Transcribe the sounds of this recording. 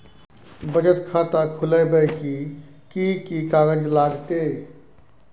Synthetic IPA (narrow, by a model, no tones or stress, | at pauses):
bəd͡ʒət̪kʰaːt̪akʰʊlebəjki | kikikaːɡəd͡ʒlaːɡt̪e